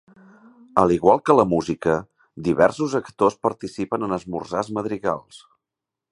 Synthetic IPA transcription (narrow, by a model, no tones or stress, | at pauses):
əliɣwalˠkələmuzikə | d̪iβɛ̰rsuzəkt̪ospəɾt̪isipənənəzmṵrzazməðɾiɣa̰lˠs